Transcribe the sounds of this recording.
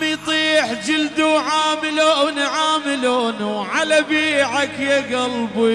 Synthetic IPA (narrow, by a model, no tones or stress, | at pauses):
mijt̪ˤiːħd͡ʒɪld̪uʕaːmɪloʔnʕaːmɪloːnuʕalabiːʕakjaɡɑlbi